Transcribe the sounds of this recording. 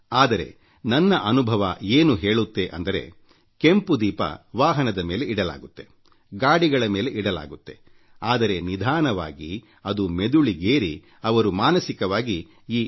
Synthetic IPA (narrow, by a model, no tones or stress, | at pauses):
aːd̪ɐɾe̞̰ | nɐnːɐʔɐnubʱɐʋɐeːnuɦe̞ːɭut̪ːe̞ʔɐ̰nd̪ɐɾe̞̰ | kempud̪iːpɐ̰ʋaːɦɐnɐd̪ɐme̞ːle̞ʔiɽɐla̰ːɡut̪ːe̞ | ɡaːɽiɡɐɭɐme̞ːle̞ʔiɽɐla̰ːɡut̪ːe̞̰ | aːd̪ɐɾe̞nid̪ʱaːnɐʋa̰ːɡi | ɐd̪ume̞d̪uɭiɡeːɾi | ɐʋɐɾumaːnɐsikɐʋaːɡi | iː